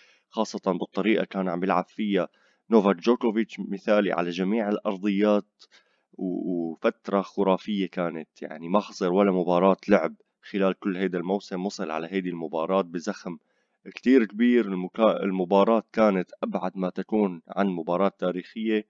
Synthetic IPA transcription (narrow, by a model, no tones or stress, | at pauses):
xɑːsˤːɑt̪ˤɑnbɨt̪ˤːɑɾiːʔa̰kaːnʕa̰mbjɪlʕa̰ffɪjːa | noːvakd͡ʒoːkovɪt͡ʃːmɪθaːlḭʕa̰laʒamiːʕɪlʔɑ̰ɾˤd̪ˤɨjːaːt̪ | wfat̪ɾˤɑxʊɾˤɑːfɪjːekaːnat̪ja̰ʕnimaħɑsˤɨɾwalːamʊbɑːɾˤɑːt̪lʊʕɪb | xɪlaːlkʊlːhajd̪almawsɪmwɑsˤɨlʕa̰laɦajd̪ilmʊbɑ̰ːɾˤɑːt̪̚bɪzaxm | kt̪iːɾkbiːɾɪlaɪ̰lmʊbɑːɾˤɑːt̪kaːnat̪ʔabʕad̪mat̪akuːnʕa̰nmʊbɑːɾˤɑːt̪ːaːɾiːxɪjːe